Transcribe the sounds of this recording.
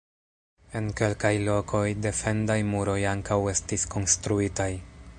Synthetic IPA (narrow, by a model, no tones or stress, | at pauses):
e̞nke̞lkajlo̞kʰo̞jde̞fe̞ndajmuɾo̞jaŋkawe̞stisko̞nstɾuitaj